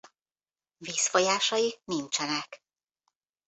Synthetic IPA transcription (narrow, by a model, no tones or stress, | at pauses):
viːsfojaːʃɒjinint͡ʃɛnɛk